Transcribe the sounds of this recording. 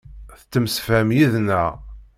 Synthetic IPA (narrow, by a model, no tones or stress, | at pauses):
θət͡sːəmsfæmjiðnæ